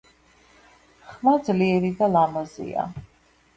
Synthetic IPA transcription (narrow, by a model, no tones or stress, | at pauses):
χmad̪zliɛɾid̪alamɔzḭa̰